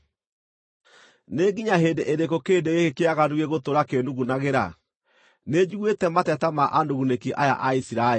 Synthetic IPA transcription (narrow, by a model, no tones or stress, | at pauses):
neɡiɲaɦeːndeʔeɾekokeːdeɣekekeaɣanuɣeɣotoɾakenduɣunaɣeɾa̰ | ned͡ʒuɣwetɛmatɛtamaʔandoɣunekiʔaja̰ʔaisiɾae